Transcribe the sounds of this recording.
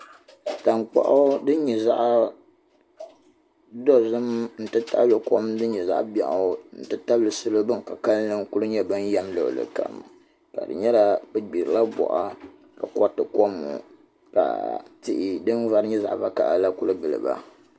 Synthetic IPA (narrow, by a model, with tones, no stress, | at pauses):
ta˨ŋk͡pa̰˨ʔo˦dɨ˦ɲɛ˨za˦ʔ | dɔ˦zɨ˦mn̩˨tɨ˦ta̰˦blɨ˨kɔ˦m˦dɨ˦ɲɛ˨za̰˦ʔba̰˨ʔo˨˦n̩˨tɨ˦ta˦blɨ˨sɨ˦lo˦bɨ˦ŋ˨ka˨ka˦lnɨ˦ŋ˦ku˦lɨ˦ɲɛ˦bɨ˦n˦ja˦mlɨ˨ʔlɨ̰˨ka̰˨m˨ | ka̰˨dɨ̰˨ɲɛ˦la˦bɛ˦ɡ͡bi˨ɾɨ˨la˦bɔ̰˨ʔa̰˦ | ka˨kɔ˦tɨ˨kɔ˦mːṵ˨ | ka̰˨ti˦ʔɪ˦dɨ˦n˦va˦ɾɨ˦ɲɛ˦za̰˨ʔba˦ka˨ʔla˦ku˦lɨ˦bɨ˨lɨ̰˨ba̰˨